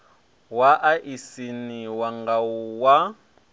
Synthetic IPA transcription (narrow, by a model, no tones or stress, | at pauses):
waʔaʔisiniwaŋɡauwa